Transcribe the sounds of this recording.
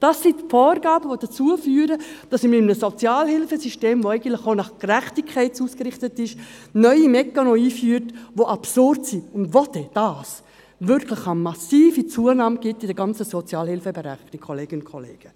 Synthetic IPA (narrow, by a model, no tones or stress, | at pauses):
d̥ɑsːitfɔːrɡɑːbəʋod̥at͡suəfyːɾəd̥ɑsɪmɪmnəsot͡sjɑːlɦɪlfəsyʃteːmvoɛɪɡən̩tlɪχonɑχkræχtɪkʰɛɪt͡suːskrɪχtətɪʃ | nœʏimɛkːanoiːfyːəɾtʋoʔɑpsʊrtsiʊndʋodɛd̥ɑːs | vʏɾkʰləχamɑsiːfit͡suənɑːmɡ̥ɪtɪdɛɡɑnt͡səsot͡sjɑːlhɪlfəbeɾɛχdikʰoleːɡənʊnkʰolḛːɡ̥ə